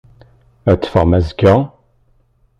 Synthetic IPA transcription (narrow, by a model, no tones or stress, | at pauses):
æt͡sːfəʁmæzɡə